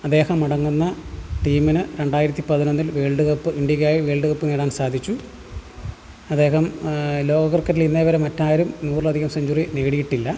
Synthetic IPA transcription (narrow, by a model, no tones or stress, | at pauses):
ɐd̪ːe̞ːhɐmːɐɽɐŋːunːɐʈiːminɨɾe̞ɳɖaːjiɾɐt̪ːipɐðinonːilʋeːɭɖɨɣɐpːɨiɳɖjɐɣaːjiʋe̞ːɭɖɨɣɐpːɨneːɽaːnsaːd̪ʱit͡ɕːu | ɐd̪ːe̞ːɦɐmlo̞ːɡɐɣɐrkːɐɾilinːɐʋɐɾemɐtːaːjɐɾumnuːrɭɐd̪ʱiɣɐmsɐɲd͡ʑurineːɽijiʈːilːɐ